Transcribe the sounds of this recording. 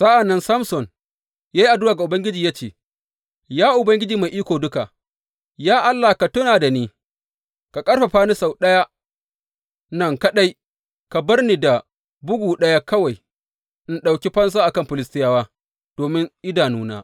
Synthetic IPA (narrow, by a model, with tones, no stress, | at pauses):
sɐ˦ʔa˨nːɐ˦nsɐ˦msɔ˨n | jaː˦ji˦ʔa˨dʊ˦waː˨ɡa˨ʊ˨bɐ˦ŋɡʲɪ˦d͡ʒiː˨jaː˦t͡ʃeː˨ | jaː˦ʔʊ˨bɐ˦ŋɡʲɪ˦d͡ʒiː˨ma˨jʔiː˦kʷoː˨dʊ˦ka˨ | jaː˦ʔa˦lːaː˨hka˨tʊ˦naː˨da˨niː˦ | ka˨kʼɐ˦ɽɸa˨ɸaː˦ni˦sa˨wɗɐ˦ja˦ | nɐ˦˨ŋka˨ɗa˦j | ka˨bɐ˦rniː˨da˨ | bʊ˦ɡʷuː˨ɗɐ˦ja˦kɐ˦wa˨j | ʔɪ˦nɗa˨wkʲi˦ɸɐ˦ns̬a˦ʔa˨kɐ˦mɸɪ˨lɪ˦stɪ˦jaː˦waː˦ | d̥oː˨mɪ˦ŋʔɪ˦daː˨nuː˦na̰ː˦